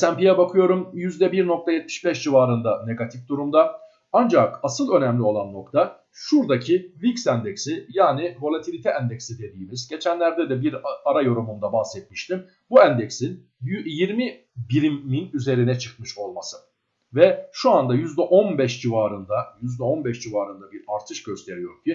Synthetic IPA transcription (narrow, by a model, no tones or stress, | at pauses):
sæmpijɛbakʰɯjo̞ɾumjyzd̪ɛbiɾno̞k̚t̪ʰajɛt̪̚mi̥ʃbɛʃd͡ʒivaːɾɯnd̪ane̞ɡat̪ʰifd̪uɾumd̪a | and͡ʒakasɯlˠø̞nɛmlʲio̞lˠanːo̞kt̪ʰa | ʃuɾd̪acʰiviksænd̪ɛcsijaːnivo̞lʲˠat̪ʰilʲit̪ʰɛænd̪ɛcsid̪e̞d̪iːmizɟe̞t͡ʃʰænlʲæɾd̪ɛd̪ɛbiɾaɾajo̞ɾumund̪abaxsɛt̪̚miʃt̪ʰim | buænd̪ecsin | jiɾmi | biɾimmːinyze̞ɾinɛt͡ʃʰɯkmɯʃo̞lˠmasɯ | vɛʃuand̪ajyzd̪ɛʔo̞nbɛʃd͡ʒivaːɾɯnd̪ajyzd̪ɛo̞nbɛʃd͡ʒivaːɾɯnd̪abiɾaɾt̪ʰɯʃɟø̞st̪ʰe̞ɾijo̞ɾcʰi